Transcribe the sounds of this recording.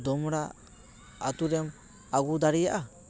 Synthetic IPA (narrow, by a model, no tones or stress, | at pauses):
d̪ɔmɾaː | t̪uɾɛm | aɡud̪aɾijaʔa